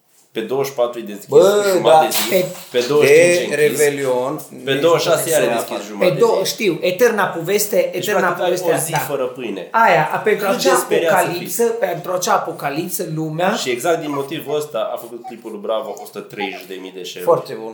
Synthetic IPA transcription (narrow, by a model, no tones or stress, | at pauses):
pe̞d̪owəʃpat̪ɾujd̪ezibəmdaaezipeped̪owəeɾevelionped̪owəʃasealeeskisʒumed̪owəʃt̪iwet̪ernapove̞st̪eʔet̪eɾnap̪ovest̪eaiafəɾəpɨjneajapent̪ɾuaut͡ʃaːpoɾjakalipsəpent̪ɾuat͡ʃaːpo̞kalipt̪səlumeaʃieɡzakt̪d̪inmo̞t̪ivəst̪aafəkut̪̚klipulbɾavafost̪t̪ɾejʃd̪emid̪eʃefoart̪ebun